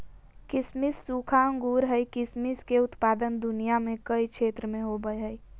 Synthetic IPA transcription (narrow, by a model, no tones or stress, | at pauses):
kɪsmisːukʰaəŋɡuːɾɦəjkɪsmiskeʊt̪paːd̪ənd̪ʊnijamẽkəikʃʰeːt̪ɾəmẽɦobəeɦəj